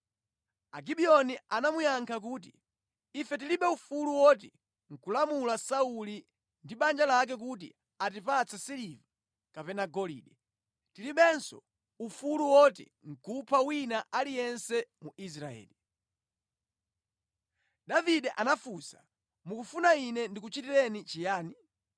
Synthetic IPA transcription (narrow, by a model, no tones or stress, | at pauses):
aɡiɓiɔnianamujaŋkʰak̬uːt̬ḭː | fɛt̬iliɓɛufuluwɔt̬ɛ | ŋ̩kulamulasauli | ndiɓand͡ʒalak̬ɛk̬ut̬ḭ | at̬ipat͡sʰasiliva | kapɛnaɡɔlḭːɗɛ | tiliɓɛnsɔ̰ | ufuluwɔtɛ̰ | ŋ̩kupʰawinaʔalijɛnsɛmuis̬ɾaɛ̰ːli | ɗaviɗɛʔanafusa | mukufunainɛndikut͡ʃitilɛnit͡ʃijaːni